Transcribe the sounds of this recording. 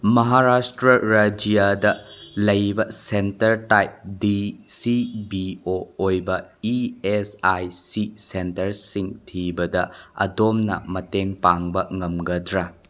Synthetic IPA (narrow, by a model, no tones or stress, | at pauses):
mɐɦaɾastɾɐɾɐd͡ʒijadɐlɐjbɐsentɐɾtajp̚disibioːjbɐiesajsisentɐɾsiŋtʰibɐdɐɐ̰domnɐ̰mɐteŋpaŋbɐŋɐmɡɐdɾa